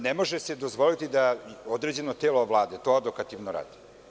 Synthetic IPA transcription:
nemo̞ʒesed̪o̞zʋo̞lit̪id̪aod̪ɾe̞d͡ʑe̞not̪eːloʋlˠaːd̪et̪o̞ad̪okat̪iʋnoɾa̰ːd̪̥i̥

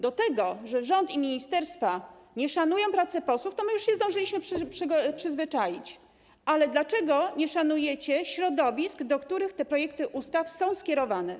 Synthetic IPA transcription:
d̪ɔt̪ɛɡɔʐɛʐɔnt̪imʲiɲist̪ɛɾst̪faɲɛʂanujɔ̃w̃pɾat̪sɛpɔswuft̪ɔmɘjuʂɕɛzd̪ɔ̃ʐɘlʲiɕmɘʂpʂpʂɘzvɘt͡ʂajit͡ɕ | ʔalɛd̪lat͡ʂɛɡɔɲɛʂanujɛt͡ɕɛɕɾɔd̪ɔvʲisɡd̪ɔkt̪uɾɘxt̪ɛpɾɔjɛk̚t̪ɘʔust̪afsɔ̃w̃skʲɛɾɔvanɛ

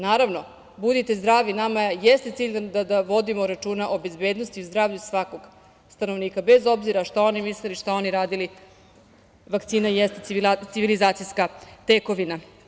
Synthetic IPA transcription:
naːɾaʋno̞ | bud̪it̪e̞zd̪ɾaːʋinamajest̪e̞t̪siːʎʲd̪d̪ad̪aʋo̞d̪imo̞ɾat͡ʃuːnaʔobe̞zbe̞ːd̪nost̪iuzd̪ɾaːvʎusʋako̞ɡ | st̪anoʋniːkabe̞zo̞bziɾaʃt̪ao̞nimisleliʃt̪ao̞niɾaːd̪ili | ʋakt̪siːnajest̪et̪siʋilizaːt̪sijskat̪eko̞ʋina

